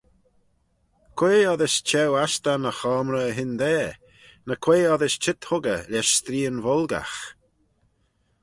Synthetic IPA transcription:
kʰweːɔðɪst͡ʃɛwast̪anəxɔːmɾəɦɪnd̪ɛː | nəkʰw̥eːɔðɪst͡ʃɪt̪hʊɡə̰lɛʃst̪ɾiːənvɔlɡa̰x

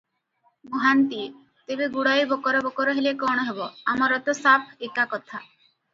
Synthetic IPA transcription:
moɦant̪i | t̪ebeɡuɽajibʱɔkɔɾɔbɔkɔɾɔɦelekɔɽ̃ɔɦebɔamɔɾɔt̪ɔsapʰekakɔt̪ʰa

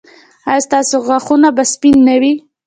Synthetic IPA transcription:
ɑjst̪ɑsoɣaxunabaspinːawi

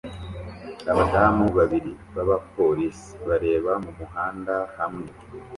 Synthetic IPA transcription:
aβadaːmuβaβiɾi | βaβapo̞ɾisi̥βaɾe̞ːβamumuɦaːndahamŋe̞

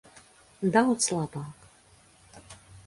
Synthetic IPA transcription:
d̪awt̪slˠabak

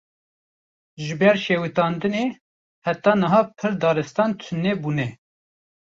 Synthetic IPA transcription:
ʒɨbɛɾʃeːwit̪ɑːnd̪ɨneː | hæt̪ɑːnɨɦɑːpʰɨɾd̪ɑːɾɨst̪ɑːnt̪ʰʊnːɛbuːnɛ

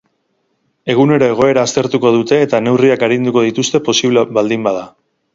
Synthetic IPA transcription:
e̞ɣ̞une̞ɾo̞e̞ɣ̞o̞e̞ɾaːst̪e̞ɾt̪uko̞ðut̪e̞ːt̪ane̞wriakaɾind̪uko̞ð̞it̪ust̪e̞po̞siβleβald̪imbaða

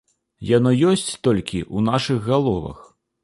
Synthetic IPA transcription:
janɔjɔsʲt͡sʲt̪ɔlʲkʲiʔunaʂɨɣɣalˠɔvɐ̰x

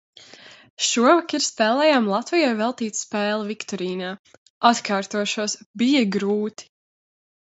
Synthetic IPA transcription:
ʃuɔvakiɾst̪ɛːlˠɛjaːmlˠat̪vijajvɛlˠt̪iːt̪spɛːlˠavikt̪ɔɾiːnaː | at̪kʰaːɾt̪uɔʃuɔsbijɐɡɾuːt̪i̥

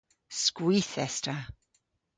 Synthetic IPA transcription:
skwɪθɛstʰa

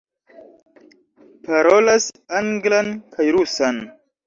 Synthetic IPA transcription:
paɾo̞lasaŋɡlankʰajɾusan

